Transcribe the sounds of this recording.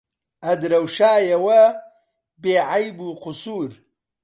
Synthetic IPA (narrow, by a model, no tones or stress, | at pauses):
ʔɐd̪ɾɐwʃaːjɐwɐ | beːʕajbuːqʊsuːɾ